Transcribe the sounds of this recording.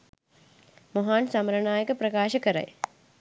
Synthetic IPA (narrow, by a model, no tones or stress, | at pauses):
moɦaːnsamɐɾɐɳaːjɐkəpɾɐkaːʃɐkɐɾɐ̰j